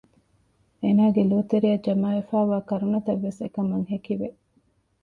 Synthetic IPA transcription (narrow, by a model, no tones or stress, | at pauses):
eːnaːɡeloːt̪eɾijɐd͡ʒɐmaːefaːʋaːkɐɾunɐt̪ɐʋːesekɐmɐŋɦekiʋe